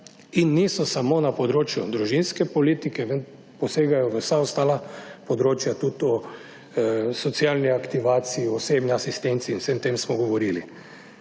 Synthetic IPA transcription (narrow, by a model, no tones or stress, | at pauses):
inːiːsɔsamoːnapɔd̪ɾoːt͡ʃjud̪ɾuʒinskɛpɔliːt̪ikɛʋən | pɔseːɡajɔʋəwsaɔst̪aːlapɔd̪ɾoːt͡ʃjat̪ut̪ɔ | sɔt̪sialniakt̪iʋaːt̪siiɔsebniasist̪ent̪siːnwsemt̪emsmɔɡɔʋɔɾili